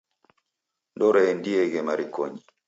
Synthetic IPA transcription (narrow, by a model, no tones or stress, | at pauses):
ndɔɾaɛndiɛɣɛmaɾikɔ̰ɲi